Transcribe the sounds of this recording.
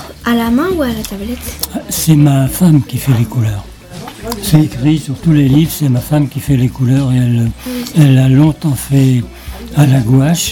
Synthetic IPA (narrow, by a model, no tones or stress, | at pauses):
alamɛ̃ualat̪ablɛt̪asɛmafamkʲifɛlekulœːʁ | sɛekχisyʁt̪ulelivʁsɛmafamkʲifɛlekulœːʁeɛlɛlalɔ̃t̪ɑ̃fɛ | alaɡoaʃ